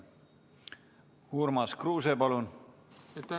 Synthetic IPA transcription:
huɾmɑskruːsepɑlun

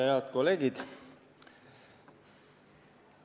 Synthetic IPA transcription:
heɑt̪ko̞le̞ːɡid̪̥

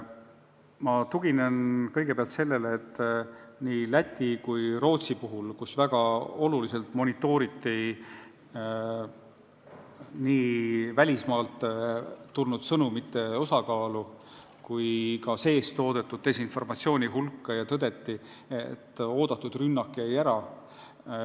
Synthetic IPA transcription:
mɑt̪uɡ̥inenkɤjɡ̥epeɑlt̪se̞lːe̞leːt̪ːˑniːlæt̪ʲːikujro̞ːt̪sipuɦulkusvæɡ̥ɑo̞lulise̞lt̪mo̞nʲit̪ːˑo̞ːɾit̪ːi | niːvælʲismɑːlt̪t̪ːulnud̪̥sɤnumit̪ːe̞o̞sɑkɑːlu | kujkɑse̞ːst̪o̞ːd̪e̞t̪ːˑud̪̚t̪esinfo̞rmɑt̪sio̞ːnʲiɦulkːɑjɑt̪ɤd̪e̞t̪ːiet̪ːˑo̞ːd̪̥ɑt̪ːˑud̪̥rynːɑkːˑiejæɾɑ

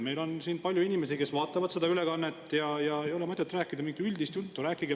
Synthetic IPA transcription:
me̞jlo̞nsiːnpɑlʲjuinime̞s̬ike̞svɑːt̪ːˑɑvɑd̪se̞d̪ɑylekɑnːet̪ːjɑjɑejo̞lemɤt̪ːˑet̪ːˑræːkːˑid̪̥ɑmiŋɡiylʲd̪ist̪jult̪ːˑuɾæːkːˑiɡ̥e

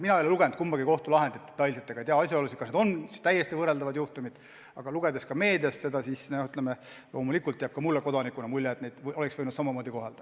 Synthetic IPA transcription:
minɑeleluɡ̥end̪̚kumbɑɡiko̞ht̪ulɑɦe̞nd̪it̪̚ːe̥t̪ːˑɑjlset̪ːeɡɑejt̪eɑɑsʲjɑolusit̪kɑsned̪o̞nsi̥st̪æjːest̪ivɤreld̪ɑvɑd̪̥juht̪umid̪̥ | ɑɡ̥ɑluɡ̥ed̪e̞skɑme̞ːd̪eɑsse̞d̪ɑsisnohyt̪ˑleme | lo̞ːmulikːˑult̪ːeæɑb̥̚kɑmulːeko̞d̪ɑnikˑunɑmulʲːeet̪nejd̪̥o̞leksvɤjnud̪sɑmɑmoːd̪iko̞ɦeld̥̪ɑ

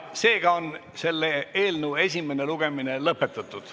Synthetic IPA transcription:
se̞ːɡ̥ɑon | se̞lːee̞ːlnəwe̞sʲime̞ne̞luɡ̥e̞mine̞lɤpːˑe̞t̪ˑːɑt̪ːˑud̪̥

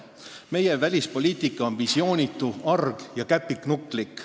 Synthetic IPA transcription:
me̞jevælʲispo̞lʲiːt̪ˑikːˑɑonvisio̞ːnʲit̪ːˑuɑrɡ̥jɑkæpːˑiknukˑlikːˑ

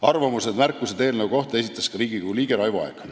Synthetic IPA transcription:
ɑrvɑmused̪mærkːˑused̪e̞ːlnəvuko̞ht̪e̞sit̪ːˑɑskɑɾiːɡ̥ikuliːɡ̥eɾɑjvuɑ̰eɡ̥

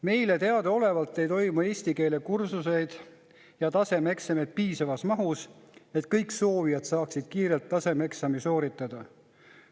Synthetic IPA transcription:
me̞jle̞t̪e̞ɑd̪̥eo̞le̞vɑlt̪ːˑe̞jt̪o̞jmue̞ːsʲt̪ike̞ːle̞kursuse̞jd̪̥ | jɑt̪ɑse̞me̞ksɑmed̪̥̚piːsɑvɑsmɑɦuse̞t̪ˑkɤjkso̞ːvijɑd̪sɑːksid̪̥kiːɾe̞lt̪ːɑse̞meksɑmiso̞ːɾit̪ːˑɑd̪̥ɑ

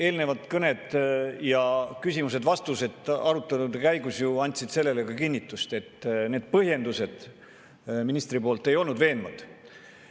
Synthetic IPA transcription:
e̞ːlne̞vɑt̪kɤned̪jɑkysʲimuse̞d̪vɑst̪use̞t̪ɑɾut̪ːˑɑt̪ud̪kæjɡusjuɑnʲt̪ʲsid̪̥se̞lːe̞lekɑkinʲːit̪ːˑust̪e̞t̪ːne̞ːd̪̥̚pɤɦje̞nd̪use̞d̪̥ | minist̪ripoːlt̪ːˑe̞jo̞lnud̪ve̞ːnmɑd̪̥

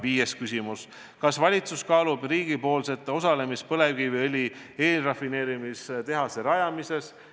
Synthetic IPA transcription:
viːjeskysʲimus | kɑsvɑlʲit̪suskɑːlub̥riːɡ̥ipo̞ːlse̞t̪ːˑosɑle̞mispɤle̞vkivɤlʲie̞ːlrɑfine̞ːɾimist̪e̞ɦɑseɾɑjɑmise̞s

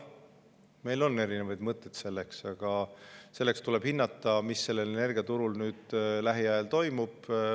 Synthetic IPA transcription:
me̞jlo̞nːe̞ɾinevɑjd̪̥mɤt̪ːˑet̪se̞lːeksɑɡ̥ɑse̞lːekst̪ule̞b̥hinːɑt̪ˑːɑmisːe̞lːe̞lene̞rɡ̥iɑt̪uɾulnyːd̪̥læɦiɑjelt̪o̞jmub̥

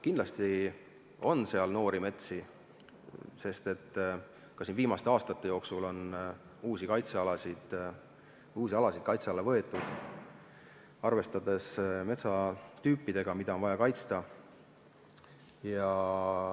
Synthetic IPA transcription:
kind̪lɑst̪i | o̞nse̞ɑlno̞ːɾime̞t̪si | se̞st̪e̞t̪ː | kɑsinviːmɑst̪e̞ɑːst̪ɑt̪ˑːe̞jo̞ːksulo̞n | uːsikɑjt̪seɑlɑsid̪̥ | uːsiɑlɑsid̪̥̚kɑjt̪seɑlːevɤe̞t̪ːˑud̪̥ | ɑrve̞st̪ɑd̪̥e̞sme̞t̪sɑt̪yːpˑːid̪̥e̞ɡ̥ɑmid̪ɑo̞nvɑjɑkɑjt̪st̪ɑ | jɑ

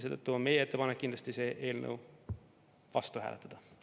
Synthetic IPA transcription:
seːd̪̥ət̪ːuonme̞jee̞t̪ːepɑnekːind̪lɑst̪ise̞ːʔe̞ːlnʔə̰w | vɑ̰st̪uhæ̰ːlʔet̪ːɑd̪ɑ

